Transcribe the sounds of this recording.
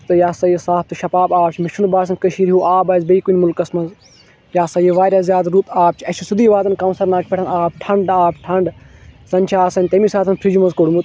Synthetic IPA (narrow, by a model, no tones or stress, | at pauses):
t̪ɨjaːsɐjisaːp̚t̪ɨʃɐpaːbaːp̚t͡ʃʰimɪʃʰunbaːsɐnkɐʃiːɾiɦuʔaːbaːzbɐiːkunʲmulkɐsmɐz | jaːsɐjeʋaːɾʲjaːzjaːd̪ɾut̪aːp̚t͡ʃʰiɐt͡ʃʰisud̪iːʋaːzɐnkɐwnsɐɾnaːkʰʲpʲeʈʰɐnaːb̚ʈʰɐɳɖaːbʈʰɐɳɖsɐnʲt͡ʃʰaːsɐnʲt̪emiːsaːt̪ʰɐnpʰɾid͡ʒumɐzkoɽmut̪